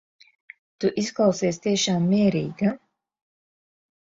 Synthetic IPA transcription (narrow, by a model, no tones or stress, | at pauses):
t̪uʔisklˠɑwsiɛst̪iɛʃaːmːiɛɾiːɡa